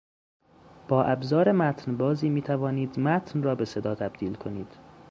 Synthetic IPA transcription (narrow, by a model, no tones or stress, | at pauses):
b̥ɒːʔæbzɒːɾemæt̪ʰnbɒːziːmiːt̪ʰævɒːniːd̪mæt̪ʰnrɒːbe̞se̞d̪ɒːt̪ʰæbd̪iːlkʰo̞niːd̪̥